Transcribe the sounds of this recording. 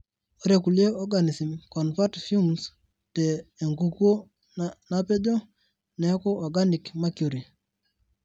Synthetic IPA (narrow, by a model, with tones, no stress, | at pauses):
o˨ɾe˨ku˨lje˦ɔ˦ɡa˨ni˨si˨mkɔ˨nfa˦tfi˦lms | teː˨ŋɡu˨kwo˦ | na˦pe˦d͡ʒo˦ | nɛ˨˦ko˦ɔ˨ɡa˦ni˨kma˦kjo˨ɾi˨